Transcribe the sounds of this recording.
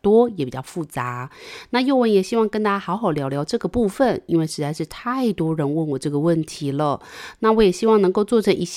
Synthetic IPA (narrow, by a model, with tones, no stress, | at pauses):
t̪wɔ˥jɛ˨˩pi˨˩t͡ɕɑ˥˧ʊfu˥˩t͡sa˧˦na˥˧jo˥˧ʊwə˥˩njɛ˨˩ɕi˥wɑ˥˧ŋkə˥nt̪a˥t͡ɕa˥xɑ˧˥ʊxɑ˨˩ʊljɑ˧˥ʊljɑ˧˥ʊʈ͡ʂɤ˥˩ɡə˩pu˥˧fə˨ni˥nwe˥˩ɪʂɻ̩˧˥t͡sa˥˧ɪʂɻ̩˥˧t̪ʰa˥˩ɪt̪wɔ˥ɻə˧˥nwə˥˩nwɔ˨˩ʈ͡ʂɤ˥˩ɡə˩wə˥˩nt̪ʰi˧˥˦lə˧na˥˩wɔ˧˥jɛ˨˩ɕi˥wɑ˥˩ŋnɤ˧˥ŋko˥˧ʊt͡swɔ˥˩ʈ͡ʂʰɤ˧˥ŋʔi˧˥